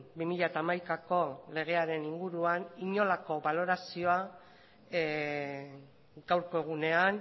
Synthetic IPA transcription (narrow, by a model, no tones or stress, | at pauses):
bimiʎat̪aːmajkako̞le̞ɣ̞e̞aɾe̞niŋɡuɾuaniɲo̞lako̞βalo̞ɾasio̞a | ɡ̥awɾko̞e̞ɣ̞une̞an